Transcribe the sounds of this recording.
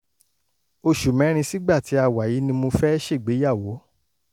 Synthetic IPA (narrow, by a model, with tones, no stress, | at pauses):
o˧ʃu˨mɛ̃˨˦ɾ̃ĩ˧si˦ɡ͡ba˦˨ti˨˦a˧wa˨ji˨˦nĩ˧mo˧fɛ˦ɛ˦ʃe˦˨ɡ͡be˨˦ja˦˨wo˨˦